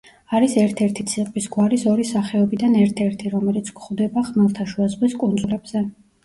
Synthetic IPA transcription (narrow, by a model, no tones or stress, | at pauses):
aɾisɛɾt̪ʰɛɾt̪ʰit̪sʰiqʼvisɡwaɾisɔɾisaχɛɔbid̪anɛɾt̪ʰɛɾt̪ʰiɾɔmɛlit̪sʰkʰχvd̪ɛbaχmalˠt̪ʰaʃuazʁwiskʼund̪zulɛbz̥ɛ